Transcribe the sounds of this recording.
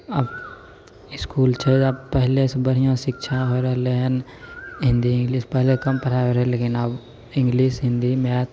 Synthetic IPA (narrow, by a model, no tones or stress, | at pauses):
əb | ɪskuːlt͡ʃʰeəbpəɦlesebəɽ̤ijõʃɪkʃʰaɦoɾeɦlenɦɪ̃nd̪iɪ̃ŋɡliːspɛɦlekɐmpəɾʰaɦoɾẽleːkɪnəb | ɪ̃ŋɡliːsɦɪ̃nd̪imɛːt̪